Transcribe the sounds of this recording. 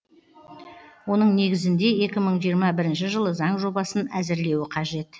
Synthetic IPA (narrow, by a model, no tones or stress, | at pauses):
wo̞nəɴne̞ɡʲɪzɪnd̪e̞e̞kʲɪməɴʒijəɾmɑbɪɾɪnʃɪʒəlˠəzɑɴʒo̞bɑsənæzɪɾle̞wɪqʰɑʒe̞t̪